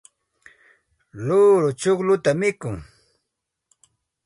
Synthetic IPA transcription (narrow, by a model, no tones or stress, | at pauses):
loːɾʊt͡ʃoχlʊt̪amɪkʊŋ